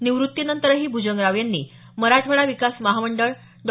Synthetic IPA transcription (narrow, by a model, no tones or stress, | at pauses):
niʋɾut̪ːinənt̪əɾɦiːbʱud͡ʑəŋɡɾaʋjanːḭː | məɾaʈ̪ʰʋəɭaʋikasməɦaməɳɖəɭ | ɖ̪